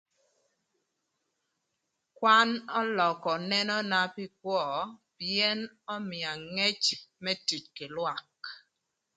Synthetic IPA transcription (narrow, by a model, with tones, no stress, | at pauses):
kwa˦nɔ˦lɔ˨kɔ˨nɛ˦nɔ˦na˦pi˦kwɔ˦˨pjɛ˦n | ɔ˦mɪ˨a˨ŋɛ˦t͡ʃmɛ˦ti˨t͡ʃkɪ˨lwa˦k